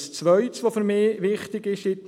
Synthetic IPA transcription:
st͡sʋœʏt̪sʋofʏɾmɪːʋɪχt̪ɪɡɪʃɪt̪

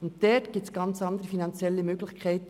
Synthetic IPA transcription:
ʊntdɛtɡ̥ɪːp̚t͡sɡ̥ɑnt͡sɑndəʁəfinɑnt͡sjɛlːəmøːɡlɪçkʰæɪt

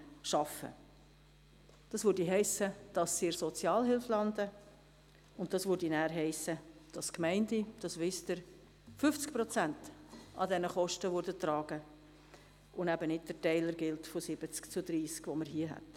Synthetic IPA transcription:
ʃɑfə̰ | d̥ɑsvøːɾdiɦɛɪsəd̥ɑsːiɾsɔt͡sjɑːlɦɪlflɑndə | ʊnt̚d̥ɑsvøɾdinæːɾɦɛɪsəd̥ɑskmɛɪndid̥ɑsʋɪstəɾ | fʏft͡sk̚pɾɔt͡sæntɑdɛnəχɔʃtəʋʊɾdətɾɑːɡ̥ə | ʊnæbənɪt̚d̥ətɛɪləɾɡɪltfosɪb̥ət͡skt͡sʊdɾiːskvoməɾɦiəɦɛ̰t

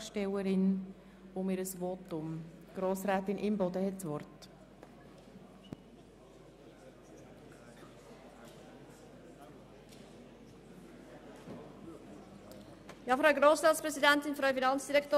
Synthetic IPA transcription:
ʃtɛwəɾɪn | ʊmɪɾəsvotʊmɡ̥ɾoːsɾɛːtɪnʔɪmbɔd̪əhɛtsʋɔɾt | jɑfɾaʊɡɾoːsɾɑːtspɾɛsidɛntɪnfɾœʊfinɑnt͡sd̥iɾɛktoː

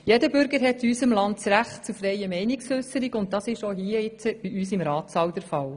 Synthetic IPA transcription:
jɛdəbʏɾɡəɾɦɛtːysəmlɑnt̚t͡sɾæχtt͡sufɾɛjəmɛɪnɪksʏsəɾiɡʊnt̚dɑsɪʃoɦiəɪt͡səb̥iʔyːsɪmɾɑːtsɑwdəɾfɑl

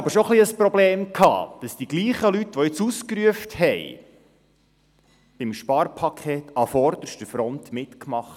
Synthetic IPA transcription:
ɑbəʃoχliəspɾɔbleːmkʰhɑ̰ːd̥ɑsd̥iɡ̥liːχəlytʋɔɪt͡suskɾyəfthɛj | b̥imʃpɑːɾpʰɑkʰeːtɑfɔɾd̪̥əɾʃtəfɾɔnt̪mɪtkmɑχt

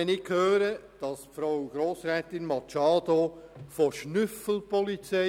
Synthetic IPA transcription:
ɛnɪkʰhøːɾəd̥ɑsfɾaʊɡ̥ɾoːsɾɛːtɪnmɑt͡ʃɑːd̪ofoʃnʏfəl̩pɔlit͡sɛ

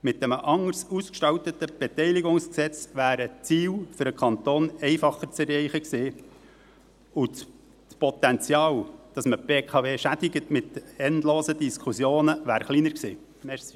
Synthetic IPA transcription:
mɪtːɛməʔɑŋːəɾsuskʃtɑwt̪ət̪ːəb̥ɛt̪ɛɪliɡʊŋsksɛt͡sʋæːɾət͡siːwfʏɾəkʰɑnt̪oːnɛɪfɑχəɾt͡sɛrːɛɪχəksɪː | ʊ | spɔt̪ɛnt͡sjɑːwd̥ɑsməb̥eːkʰɑveːʃædɪɡətmɪt̪ɛndloːsəd̪iskχusjoːnəʋæːɾχliːnəɾksiː | mɛs

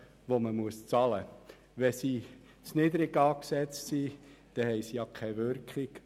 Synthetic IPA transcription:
ʋoməmuəst͡sɑlə | ʋɛsi | t͡snɪd̪əɾɪɡɑːksɛt͡stsid̪̥ɛhɛɪsijɑkʰɛɪʋʏɾkχɪk

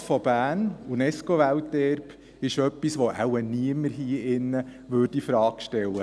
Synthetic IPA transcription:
fɔb̥æːnunɛskoʋæltɛɾp | ɪʃœpːisʋoʔa̰wəniəməɾɦiːɪnːə | ʋøːdifɾɑːkʃtɛlːə

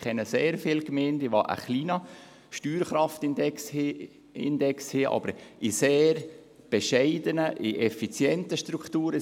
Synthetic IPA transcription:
kʰɛnːəseːɾfɪlkmeːntɪʋɑ̰ːʔə̰χliːnɑ | ʃtyːɾχɾɑftɪndɛksh | ɪ̰ndɛkshiːʔɑ̰b̥əɾʔɪseːɾ | b̥ɛʃɛɪdənəʔɪʔɛfit͡sjɛntəʃtɾuktuːɾə

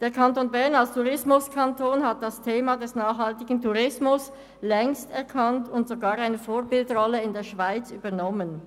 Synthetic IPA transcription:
d̥eːɐkʰantoːnbɛɐnalstʰuʁɪsmʊskʰantʰoːnhat̚d̥astʰeːmadɛsnaːχhaltɪɡ̥n̩tuʁɪsmʊs | lɛŋstɛɐkʰantʰʊntz̥oɡaːʁaɪnəfoːɐbɪldʁɔləɪndeːɐʃv̥aɪt͡syːbɐnɔmən

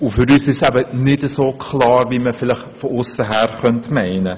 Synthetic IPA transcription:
ʊfəɾysɪsæbənɛtəsoːkʰlɑːrviməfiləχfɔɔsəɦærχøntmɛjnə

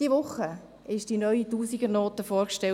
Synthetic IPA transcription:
d̥iəʋʊχːə | ɪʃd̥inœʏituːsiɡənoːtəfoːɾkʃtɛl

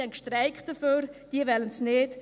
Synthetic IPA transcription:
hɛnkʃtrɛɪkd̥əføːɾd̥iəʋɛlənsneːt

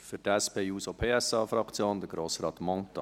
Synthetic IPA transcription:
fʏtæspʰeːjuːsopʰeːɛsɑːfɾɑkt͡sjoːnd̪əɡɾoːsrɑːt̪mɔŋtɑ

